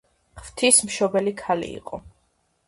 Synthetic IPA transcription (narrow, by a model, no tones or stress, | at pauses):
χv̥t̪ʰismʃɔbɛlikʰalḭːqʼɔ